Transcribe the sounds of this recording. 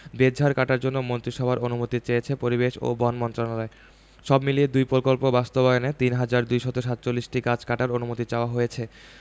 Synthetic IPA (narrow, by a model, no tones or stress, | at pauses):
bed̪d͡ʑʱaɾkaʈaɾd͡ʑonːomont̪ɾiʃɔbʱaɾonumot̪it͡ɕejet͡ɕʰepoɾibeʃo̰bɔnmɔnt̪ɾonalɔe | ʃɔbmilied̪ujpɾokolpobast̪obaeonet̪inɦad͡ʑaɾd̪ujʃɔt̪oʃat̪ːt͡ɕolːisʈikat͡ɕʰkaʈaɾonumot̪it͡ɕaoaɦojet͡ɕʰe